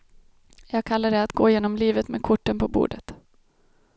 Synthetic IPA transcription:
jɑːɡ̚kʰalːaɖɛat̪ɡoːɪjeːnɔmliːvət̪meːd̪kʰʊʈːənpʰɔbṵːɖə̰t̪

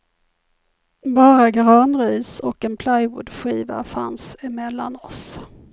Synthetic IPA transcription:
bɑːɾaɡɾɑːnɾiːsɔkɛnpʰlajvʊ̰d̪ɧiːva̰fa̰nsɪmɛlːa̰nɔs

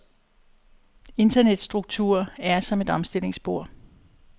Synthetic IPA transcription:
e̝nd̥ɐned̥sd̥ʁuɡ̥̚t͡sʰuɐ̰æɐsɒ̽me̝d̥ɒ̽msd̥e̝l̰e̝ŋsb̥o̝ɐ̰

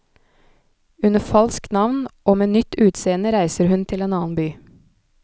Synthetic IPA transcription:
ʉnəfɑlsknɑʋnʔoːmeːnʏt̪ʉːt̪seːənəɾæɪsəɾhʉnt̪ʰɪleːnɑːnbyː

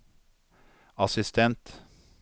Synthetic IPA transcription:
ɑsɪst̪ʰɛnt̪

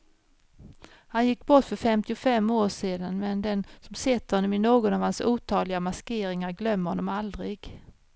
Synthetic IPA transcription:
hanjɪkːbɔʈːfœɾfɛmt̪ɪʊfɛmːoːʂeːd̪anmɛnd̪ɛnsɔmsɛt̪ːəɾhɔnːɔmɪnoːɡɔnɑvhansuːt̪ʰɑːlɪɡamaskeːɾɪŋaɾɡlœmːəɾhɔnːɔmald̪ɾɪɡ̥

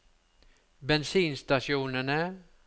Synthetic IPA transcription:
bɛnsiːnst̪aʃjuːnəɳə

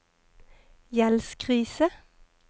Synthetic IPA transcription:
jɛlskʰʁiːsə

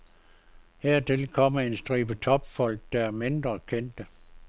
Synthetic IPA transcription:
heɐ̰t͡sʰe̝lkʰɒ̽m̰ɐe̝nsd̥ʁiːb̥ət͡sʰɒ̽b̥fɒ̽l̰ɡ̥̚d̥ɑæɐme̝nd̥ʁɐkʰen̰d̥ə

